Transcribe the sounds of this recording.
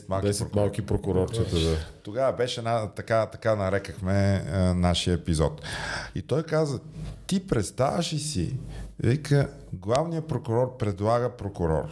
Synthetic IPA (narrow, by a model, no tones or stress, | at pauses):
t̪mad̪ɛsɛmalˠkipɾokʊɾɔɾt͡ʃ̪ɛt̪əd̪at̪oɡavɐbɛʃɛːnat̪ɐkat̪ɐkanɐɾɛkəxmɛnaʃiəɛpizɔ̰t̪ḭt̪ɔjkazət̪ipɾɛt̪st̪a̰vəʃisḭvikə | ɡlˠavnijəpɾokʊɾɔɾpɾɛd̪lˠaɡəpɾokʊɾɔ̰ɾ